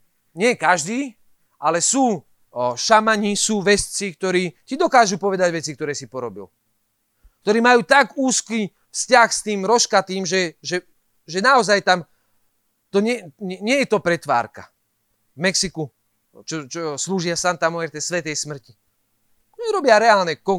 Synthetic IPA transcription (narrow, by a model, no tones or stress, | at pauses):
ɲɪɛkaʒd̪iː | ʔalɛsuː | ʃamaɲisuːʋɛst͡sik̚t̪ɔɾiːcid̪ɔkaːʒupɔʋɛd̪aɟʋɛt͡sik̚t̪ɔɾɛːsipɔɾɔbḭl | k̚t̪ɔɾiːmajuːt̪aɡuːski | fscaxst̪iːmɾɔʃkat̪iːmʒɛʒɛ | ʒɛnaɔzajt̪am | t̪ɔɲɛɛɲɪɛjɛt̪ɔpɾɛt̪ʋa̰ːɾka̰ | vmɛksiku | t͡ʃɔt͡ʃɔsluːʒɪasant̪amɔɛɾt̪ɛsʋɛt̪ɛjsmr̩ci | ɛɾɔbɪaɾɛaːlnɛkɔ